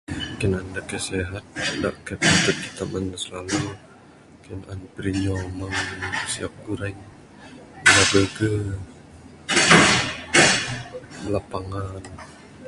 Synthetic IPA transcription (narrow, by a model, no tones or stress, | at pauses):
kənandakəseɦat̪̚da̰ʔkapit̪ət̪̚it̪amansəlalu | kənʔanpəɾiɲɔmaŋsiap̚ɡuɾaɲ | maɡəɡə | lapaŋan